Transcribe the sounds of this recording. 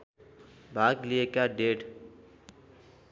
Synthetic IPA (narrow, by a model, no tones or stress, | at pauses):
bʱaɡliekaɖeʈ